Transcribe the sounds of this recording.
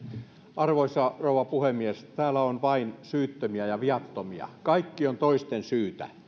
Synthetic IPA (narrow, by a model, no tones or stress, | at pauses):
ʔɑrʋoisɑrouʋɑpuhemːiest̪æːlæonʋɑinsyːt̪ːømiæjɑʋiɑt̪ːomiɑ̰kɑikːiont̪oist̪ensyːt̪æ̰